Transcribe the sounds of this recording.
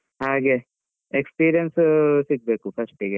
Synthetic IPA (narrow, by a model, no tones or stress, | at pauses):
ɦaːɡe | ekspiːɾijənssik̚ʰbeːkupʰɐɾsʈiɡe